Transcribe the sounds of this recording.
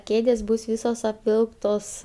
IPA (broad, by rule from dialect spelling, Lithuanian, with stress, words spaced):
ˈkʲeːdʲeːs bʊs ˈʋʲiːsoːs ɐpʲˈʋʲɪlˠktoːs